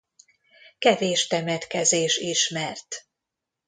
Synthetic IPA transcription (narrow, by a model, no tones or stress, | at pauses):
kɛveːʃt̪ɛmɛt̪kɛzeːʃiʃmɛrt̪